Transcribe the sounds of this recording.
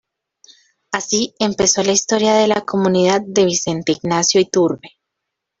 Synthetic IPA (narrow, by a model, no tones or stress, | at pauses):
asie̞mpe̞so̞laist̪o̞ɾjaðe̞lako̞mũniðað̚ːe̞βise̞nt̪eiɡnasjoit̪uɾbe̥